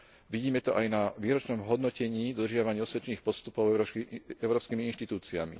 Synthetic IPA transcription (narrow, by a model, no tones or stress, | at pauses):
ʋiɟiːmɛt̪ɔʔajnaʋiːɾɔt͡ʃnɔmɦɔd̪nɔcɛɲiːd̪ɔd̪ɾrʒɪaʋaɲiɔsʋɛt͡ʃɛniːxpɔst̪upɔʊɛʊɾɔːpskiːmiinʃt̪it̪uːt͡sia̰mḭ